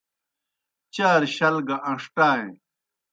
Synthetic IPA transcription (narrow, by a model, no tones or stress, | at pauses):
t͡ɕaːɾɕɐlɡɐʔɐ̃ʂʈaːẽ